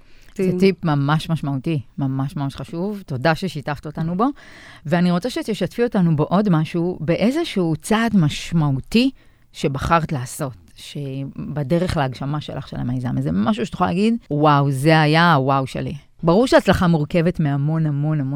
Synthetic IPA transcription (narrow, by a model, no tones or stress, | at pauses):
zet̪ipmamaʃmaʃmautimamaʃmamaʃχaʃuvto̞daʃe̞ʃitaft̪otanubo̞veaniʁot͡saʃet̪eʃatfio̞tanubeʔo̞dmaʃube̞ʔe̞zeʃuut͡saːdmaʃmauti | ʃe̞baχaʁt̪laːso̞t̚ | ʃebade̞ʁeχleaɡʃamaʃelʔa̰χʃela̰maiza̰mezemaʃ̬uʃet̪uχala̰ɡidwawzeajawawʃe̞̰lḭ | baʁuʁʃeat͡slaχamuʁkeve̞tmeamo̞namo̞namo